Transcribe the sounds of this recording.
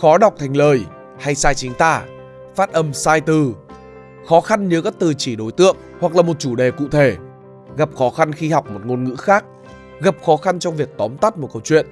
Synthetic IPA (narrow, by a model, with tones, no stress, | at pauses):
xɔ˨˦ɗa˨˩wk͡p̚t̪ʰɛ˨˩jŋ̟ləː˨˩j | ha˧jsaː˧jt͡ɕï˨˦ŋ̟t̪a̰ː˧˩ | faː˦˥t̚ʔə˧msaː˧jt̪ɨ˨˩ | xɔ˨˦xa˧nɲɨ˨˦kaː˦˥k̚t̪ɨ˨˩t͡ɕi˧˩ɗo˨˦jt̪ɨ̰˧˨əŋhwa˨˩k̚laː˨˩mo˨˩t̚t͡ɕu˧˩ɗe˨˩kṵ˧˨t̪ʰe˧˩ | ɣa˨˩p̚xɔ˨˦xa˧nxi˧ha˨˩wk͡p̚mo˨˩t̚ŋo˧nŋɨ̰˧˥xaː˦˥k̚ | ɣə˨˩p̚xɔ˨˦xa˧nt͡ɕɔ˧wŋ͡mvi˨˩ək̚t̪ɔ˨˦mt̪a˦˥t̚mo˨˩t̚kə˧wt͡ɕwḭ˧˨ən